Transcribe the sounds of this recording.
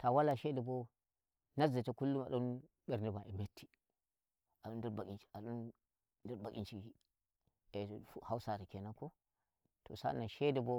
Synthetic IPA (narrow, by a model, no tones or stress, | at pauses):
tawalaʃedebo | nazetakulːuma̰ɗon | ɓeɾnibaemetʰːi̥ | aɗondiɾbakʲint͡ʃi̥aɗun | diɾbakʲint͡ʃiɡi | efhawsaɾikenako | to̰sa̰naʃedebo